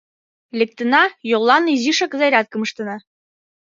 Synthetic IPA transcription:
lʲek̚t̪ɤ̆nɑjolˠːɑniziʃɑkzɑjɾʲɑt̪̚kɤ̆mɤ̆ʃt̪ɤ̆nɑ

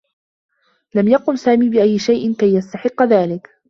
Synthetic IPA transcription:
lamjɑqʊmsaːmiːbɪʔajːɪʃajʔɪnkajːast̪aħɪqːɑðaːlɪk

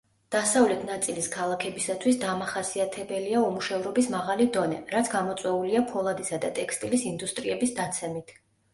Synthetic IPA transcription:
d̪̥asavlɛt̪ʰnat̪sʼiliskʰalˠakʰɛbisat̪ʰwisd̪amaχasiat̪ʰɛbɛliaumuʃɛvɾɔbismaʁalid̪ɔnɛɾat̪sʰɡamɔt̪sʼwɛuliapʰɔlˠad̪isad̪at̪ʼɛkʰst̪ʼilisind̪ust̪ʼɾiɛbisd̪at̪sʰɛmit̪ʰ

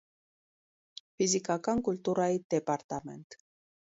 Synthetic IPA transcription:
fizikɑkɑnkult̪uɾɑjid̪ɛpɑɾt̪ɑmɛ̰nt̪

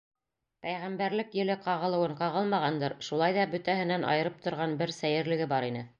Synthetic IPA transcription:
pæjʁæmbæɾlɘkjɘ̆lɘqɑʁɤ̆lˠɤ̆wɤɴqɑʁɤlˠmɑʁɑnd̪ɤɾʃulˠɑjðɑbɵ̆t̪æɦɘ̆nænʔɑ̰jɤ̆ɾɤp̚t̪ŏɾʁɑnbɘɾsæjɘ̆ɾlɘ̆ɡɘbɑɾinɘ

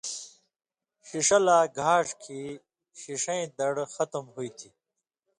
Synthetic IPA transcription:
ɕiʂɐlaːɡʱaːʂkʰi | ɕiʂɐ̃ĩd̪ɐɽxɐt̪mɦuit̪ʰi

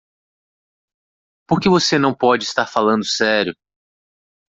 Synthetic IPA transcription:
poɾkɪvosenɐ̃w̃pɔd͡ʒɪist̪aɾfalɐ̃nd̪ʊsɛɾjʊ

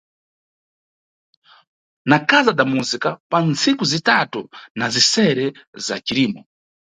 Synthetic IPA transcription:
nakazadamuzikapant͡sʰikuzitatunazisɛɾɛza̰t͡ʃiɾiːmɔ

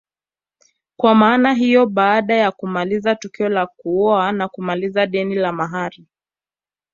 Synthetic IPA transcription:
kwamaːnaɦijɔɓaːɗajakumalizatukiɔlakuɔanakumalizaɗɛnilamaɦaɾi

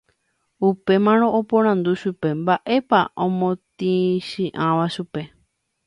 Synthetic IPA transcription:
upe̞mãɾ̃õʔopõɾ̃ãnd̪uʃupe̞mbaʔe̞paʔõmõt̪ĩʃĩʔãʋaʃupe̞

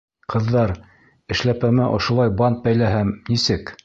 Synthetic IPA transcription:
qʰɤ̆ðːɑɾ | ɘ̆ʃlæpæmæʔŏʃŏlˠɑjbɑnt̪̚bæjlæɦæmnisɘk

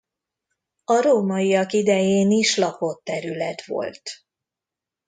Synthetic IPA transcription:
ɒɾoːmɒiɒkid̪ɛjeːniʃlɒpo̞t̪ːɛɾylɛt̪ʋo̞̰lt̪

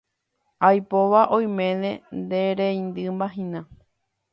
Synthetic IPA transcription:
ajpoʋaʔõj̃mẽ̞nẽ̞nd̪eɾejnd̪ɨmbaɦĩnã

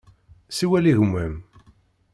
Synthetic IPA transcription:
siwæliʝəmːæm

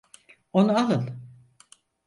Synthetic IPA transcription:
onuaɦɯlˠ

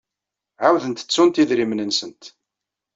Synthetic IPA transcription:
ʕawðənt̪ə̥t͡sːʊnt̪iðɾimnənsənt̪

